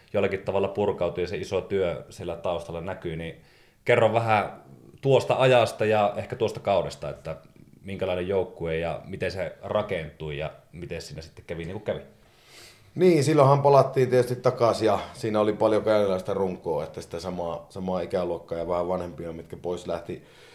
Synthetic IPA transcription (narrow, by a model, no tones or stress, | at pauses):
jolːɑkit̪t̪ɑʋɑlːɑpurkɑˑout̪ujɑseisot̪yøsielːæt̪ɑˑost̪ɑlːɑnækyni | kerːɑʋʋæhæt̪uost̪ɑɑjɑst̪ɑjɑehkæt̪uost̪ɑkɑˑunest̪ɑet̪ːæ | miŋkælɑˑenejjoˑukːueˑjɑ̰mit̪enserɑkent̪ˑuijɑ̰mit̪essiːnæsi̥t̪ːekkæʋiniːŋkukæʋi | niːnsilːohɑmpɑlɑt̪ːiːnt̪ietyst̪it̪t̪ɑkɑsjɑsiːnæolipɑljokɑnelːɑˑist̪ɑruŋkˑoːet̪ːæsi̥t̪ːæsɑmɑːsɑmɑːikæluokːɑːjɑʋæhæʋʋɑnhempˑiommit̪̚kæpoˑislæht̪i